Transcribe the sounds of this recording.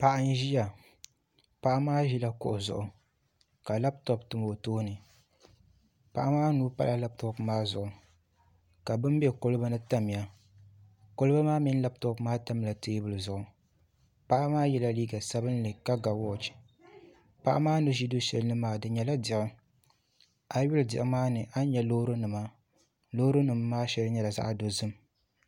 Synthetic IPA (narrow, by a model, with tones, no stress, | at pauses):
pa˨ʔa˦n˦ʒi˦ja˨ | pa˦ʔa˦maː˦ʒi˦la˨kʊ̰˨ʔʊ˨zʊ̰˨ʔʊ˨ | ka˨la˦btɔ˨p̚tɨ˨m˨o˨toː˦nɨ˨ | pa̰˨ʔa˦maː˦nuː˦pa̰˦lʔa˦la˦b̚tɔ˨kmaː˦zʊ˨ʔʊ˨ | ka˨bɨ˦m˦bɛ˦ko˦lɨ˦ba˦nɨ˦ta˦m˨ja˨ | ko˦lɨ˦ba˦maː˦mi˦n˦la˦b̚tɔ˦pmaː˦ta˦m˦la˨teː˦bɨ˨lɨ˨zʊ˨ʔʊ˨ | pa˦ʔa˦maː˦jɛ˨la˦liː˦ɡa˨sa˦bɨ˦n˦lɨ˨ka˦ɡa˨wɔ˦˨t͡ʃ | pa˦ʔa˦maː˦nɨ˦ʒi˦do˦ʃɛ˨lɨ˦nɨ˦maː˨dɨ˨ɲɛ˨la˦dɪ˨ʔʊ˦ | a˨ɥʊ˦ldɪ˨ɪ˨maː˦nɨ˨ʔa˦n˦ɲɛ˨lo˦ɾo˦nɨ˨ma˦ | loː˦ɾo˦nɨ˨mːaː˦ʃɛ˦lɨ˦ɲɛ˦la˨za̰˦ʔdo˨zɨ˦m